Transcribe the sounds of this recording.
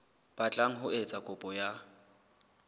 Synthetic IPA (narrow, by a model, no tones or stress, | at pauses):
b̥at͡ɬʼaŋ̩ɦʊet͡sʼakʼʊpʼɔja